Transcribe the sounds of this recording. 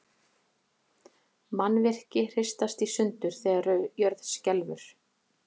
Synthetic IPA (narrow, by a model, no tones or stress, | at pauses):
manːvɪr̥cɪr̥ɪst̪ast̪isʏnt̪ʏɾ̥θɛːɣaɾœjœɾðscɛlvʏ̰ɾ̥